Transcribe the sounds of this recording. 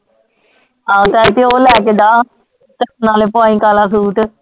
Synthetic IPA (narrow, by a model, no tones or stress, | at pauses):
aːt̪aːɪt̪eːoːlɛːkeːd̪aː | t̪əsnaːleːpãːĩːkaːlaːsuːʈ